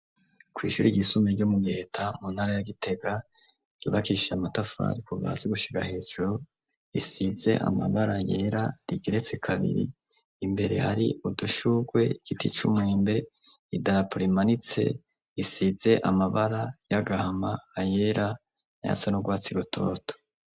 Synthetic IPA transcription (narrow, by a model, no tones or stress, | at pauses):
kwiːʃuːɾiɟisumeɾɟomuɡihetʰamunhaɾajaɡite̞ɡa | ɾiβakiʃamatafa̰ɾikuva̰zeɡuʃiɡahe̞ːd͡ʒuɾo | isize̞̰ʔa̰maβaɾajeːɾaɾiɡeɾe̞t͡sekʰaβḭɾḭː | mbe̞ɾe̞̰haɾḭuduʃuɡwe̞iɡ̥itit͡ʃumweːmbe̞ | idaɾapuɾimanit͡se̞̰ | isize̞ʔamaβaɾajaɡahamaːje̞ːɾa | na̰ja̰sanuɡwaːt͡siɡutʰo̞̰ːto̥